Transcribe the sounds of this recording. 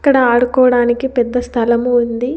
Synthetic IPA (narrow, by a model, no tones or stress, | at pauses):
kːɐɽɐaːɽukɔːʋɐɽaːnikipɛd̪ːɐst̪ʰɐlɐmuːnd̪i